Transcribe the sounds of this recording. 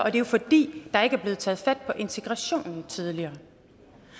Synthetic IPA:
ʔɒ̽d̥e̝jofɒ̽d̥ḭːd̥ɑ̈e̝ɡ̥əæɐb̥le̝ːð̩ˠt͡sʰɛ̰ːð̩ˠfæd̥̚pʰɒ̽ʔe̝nt͡sʰe̝ɡ̥ʁɑɕo̝̰ːnn̩t͡sʰið̞ˠliɐː

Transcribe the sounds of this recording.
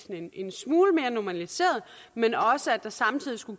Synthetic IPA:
nene̝nsmuːləme̝ːɐnomælise̝̰ːɐðˠmenɒ̽səæd̥ɑ̈sɑ̈mt͡sʰið̰ˠisɡ̥u̥

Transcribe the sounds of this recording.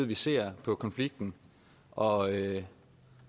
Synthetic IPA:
ð̩ˠʋise̝̰ːɐ̰pʰɒ̽kʰɒ̽nfliɡ̥̚d̥n̩ | ʔɒ̽ø

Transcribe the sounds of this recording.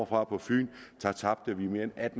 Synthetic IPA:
ɐfʁɑ̈pʰɒ̽fy̰ːnt͡sʰɑ̈t͡sʰɑ̈b̥d̥əʋime̝ːɐenæd̥n

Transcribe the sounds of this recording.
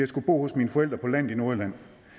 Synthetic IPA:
jäɪsɡ̥ub̥o̝̰ːhɔ̽sminəfɒ̽el̰d̥ʁɐpʰɒ̽læn̰ˠino̝ɐlæn̰

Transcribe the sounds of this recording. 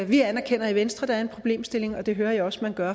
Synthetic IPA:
ʋiænæɐkʰen̰ɐiʋensd̥ʁɐd̥ɑ̈æɐe̝npʰʁo̝b̥le̝̰ːmsd̥e̝le̝ŋɒ̽d̥e̝ɦøːɐjɑɒ̽smænɡ̥ɶɐ

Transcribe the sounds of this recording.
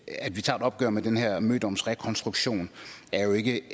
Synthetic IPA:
æd̥ʋit͡sʰɑ̰̈ːed̥ɒ̽b̥̚ɡ̥œ̰ɐmed̥enɦɛɐ̰møːd̥ɒ̽msʁɛkʰɒ̽nsd̥ʁuɡ̥ɕo̝̰ːnæɐjo̝e̝ɡ̥ə

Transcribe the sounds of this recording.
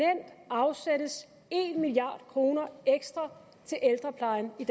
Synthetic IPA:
en̰d̥ɑ̈ʊsæɾ̥əs | e̝nmiliɑ̰̈ːd̥kʰʁo̝ːnɐʔeɡ̥sd̥ʁɑ | t͡sʰe̝lʔeld̥ʁɐpʰlɑ̈ɪnid̥

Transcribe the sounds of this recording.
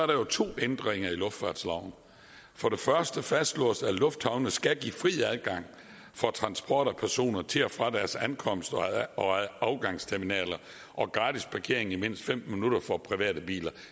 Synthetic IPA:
sɒæɐɾɑ̈jo̝t͡sʰo̝̰ːend̥ʁeŋɐilɔ̽fd̥fɑ̰̈ːd̥slɑ̈ʊn | fɒ̽ɾ̥e̝fɶɐsd̥əfæsd̥lɔ̰ːsælɔ̽fd̥hɑ̈ʊnəsɡ̥æɡ̥ḭːfʁḭːæðˠɡ̥ɑ̈ŋ̰ | fɒ̽t͡sʰʁɑ̈nsb̥ʰɒ̰ːɾ̥ɒpʰæɐso̝̰ːnɐt͡sʰe̝ɒfʁɑ̈d̥æɐsænkʰɒ̽m̰sd̥ɒɒɑ̈ʊɡ̥ɑ̈ŋstʰeɐminɛ̰ːlɐ | ʔɒ̽ɡ̥ʁɑ̈ːd̥ispʰɑ̈kʰe̝̰ɐe̝ŋ̩ime̝n̰sd̥fem̰minuɾ̥ɐfɒ̽pʰʁiʋɛ̰ːɾ̥əb̥ḭːlɐ

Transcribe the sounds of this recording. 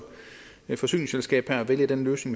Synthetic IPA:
fɒ̽sy̰ːnɪselsɡ̥ɛ̰ːb̥hæɐæʋeljəd̥enløːsne̝ŋ

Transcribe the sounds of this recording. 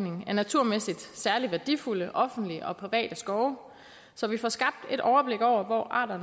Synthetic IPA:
ne̝ŋ̩æɐnæt͡sʰuɐ̰mesid̥sæɐliʋæɐd̥ḭfuləʔɒ̽fn̩d̥liəʔɒ̽pʰʁiʋɛ̰ːd̥əsɡ̥ɒʊ | sɒ̽ʋifɒsɡ̥ɑ̈b̥̚d̥e̝d̥ʔɒʊɐb̥le̝ɡ̥ɒʊ̰ɐʋɒ̰ʔɑ̰̈ːdɐn

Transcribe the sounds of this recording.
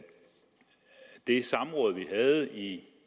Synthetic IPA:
d̥e̝sɑ̈mʁɔ̽ːð̞̩ˠʋiɦæð̩ˠi

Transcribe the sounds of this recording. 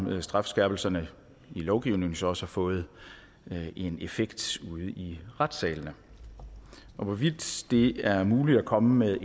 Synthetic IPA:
sd̥ʁɑ̈fsɡ̥æɐb̥l̩sɐnə | ilɒʊɡ̥iʊne̝ŋn̩sɒ̽ɒ̽səhɑ̈fɔ̽ːð̞̩ˠ | ʔe̝nefeɡ̥d̥uð̞ˠiʁad̥sɛːlnə | ʔɒ̽ʋɒ̽ʋid̥d̥e̝æɐmuːlid̥ækʰɒ̽məmeðˠ

